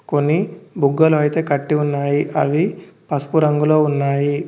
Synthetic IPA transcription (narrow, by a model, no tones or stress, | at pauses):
ko̞nːibʱuɡːɐluɐjit̪e̞ːkɐʈːiunːaːjiʔɐ̰ʋi | pɐsu̥puɾɐŋɡulo̞ːunːaːji